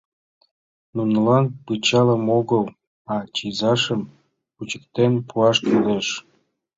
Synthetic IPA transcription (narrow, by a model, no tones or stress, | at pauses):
nunəlɑnpɯt͡ɕɑləmoɣəl | ɑt͡ɕizɑʃəm | put͡ɕə̥k̚t̪enpʰuɑʃt̪uleʃ